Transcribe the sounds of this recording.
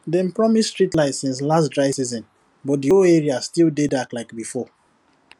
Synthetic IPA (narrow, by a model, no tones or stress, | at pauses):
dɛ̃m̩pɹɔmisstɹitlaɪtsĩns̬lastdɹaɪsizɔ̃n | bɔt̚dioeɹiastilˠdedaklaɪkbifɔ